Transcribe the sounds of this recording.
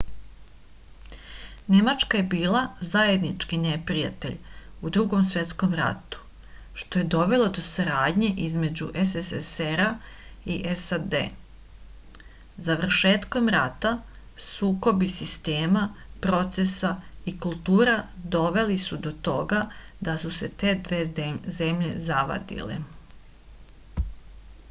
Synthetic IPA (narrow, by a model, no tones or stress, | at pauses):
ne̞mat͡ʃkaje̞biːlˠazaje̞d̪nit͡ʃkine̞pɾija̰t̪e̞̰ʎud̪ɾuɡo̞msʋe̞t̪skomɾa̰t̪u̥ | ʃt̪o̞jed̪o̞ʋe̞lˠo̞d̪o̞saɾaːd̪ɲe̞ʔizme̞d͡ʑṵʔeseseseɾa | iʔesad̪ḛ | zaʋr̩ʃe̞ːt̪ko̞mɾat̪a | suːko̞bisist̪eːmapɾo̞t̪sesaikulˠt̪uːɾad̪o̞ʋe̞lisud̪o̞t̪o̞ɡa | d̪asuset̪e̞ːd̪ʋe̞ːzemʎe̞zaʋa̰d̪ḭlḛ